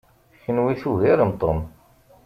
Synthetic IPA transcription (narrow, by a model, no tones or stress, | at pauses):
çənwiθuʝiɾəmt̪ˤom